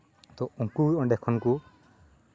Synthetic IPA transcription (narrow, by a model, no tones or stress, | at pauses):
t̪ɔɔkuɾɔ̃ɖɛkʰɔnku